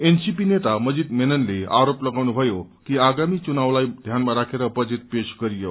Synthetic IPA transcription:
ensipinet̪aməd͡ʑiːd̪menənlea̰ɾopləɡaʋnubʱəjokiːaɡamiːt͡ɕunaʋlaid̪ʱjanmaɾakʰeɾəpəd͡ʑiːt̪̚peɕkəɾijə

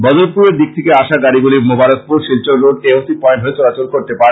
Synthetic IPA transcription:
bɔd̪oɾpuɾeɾd̪ik̚t̪ʰekeaʃaɡaɾiɡulimobaɾot̪̚puɾʃilt͡ɕoloɖʈeosipɔenʈɦoet͡ɕ̪ɔɾat͡ɕolkoɾt̪epaɾ

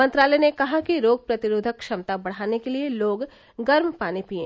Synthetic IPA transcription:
mɐ̃nt̪ɾaːlɛnekɐɦakiɾoːɡ̚pɾɐt̪ɪɾoːd̪ʱəkʃɐmt̪abɐɽ̤aːnekelieloːɡ | ɡɐɾmpaːnepiḛ̃ː

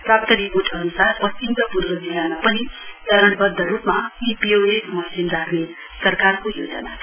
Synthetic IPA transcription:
prapt̪ʌɾipoʈʰʌnusarpʌst͡ʃimk̪ʌpurɡʌd͡zilamapʌnit͡sʌɾʌɽbʌd̪ʱːʌrupmapipioesmʌsimd̪ʱarne | sʌrkarkojo̰d͡zʌ̰na̰

